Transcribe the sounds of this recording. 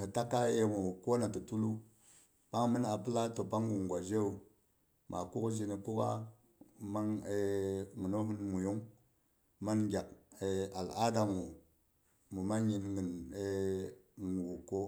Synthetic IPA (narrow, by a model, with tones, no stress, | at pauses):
kə˨ta˦kːa˦je˦wu˨wu˨ko˦na˨tu˨tu˦lu˦ | pa˦ŋmi˦na˨pə˦la˦to˨pa˦ŋɡu˨ŋ˨ɡʷwa˨d͡ʒe˦u˨ | mʔa̰˨ku˦kd͡ʒi˨ni˨ku˦ka̰˦ | ma˦ŋe˦mu˨no˦ɦu˦nmu˨ju˦ŋ | ma˦nɡʲa˨k̚e˨a˨la˦da˨ŋu˨ | mu˨ma˦n˦ji˨nŋə˨ne˦˨ | wu˨kːo˦